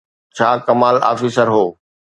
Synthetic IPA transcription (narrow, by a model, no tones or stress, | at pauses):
t͡ɕʰaːkɐmaːla̰ːfiːsəɾɦoː